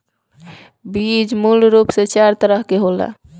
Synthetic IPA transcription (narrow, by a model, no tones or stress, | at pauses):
bid͡ʒmulɾupset͡ʃaɾt̪əɾəɦkeɦola̰